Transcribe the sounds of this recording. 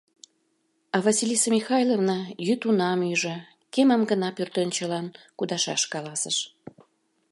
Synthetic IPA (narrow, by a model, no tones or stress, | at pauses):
ɑvɑsilʲisəmʲixɑjlˠovnɑjyt̪unɑmyʒə̆ | kemɑmɡənɑpørt̪ønt͡ɕəlɑnkud̪ɑʃɑ̰ʃkɑlɑsəʃ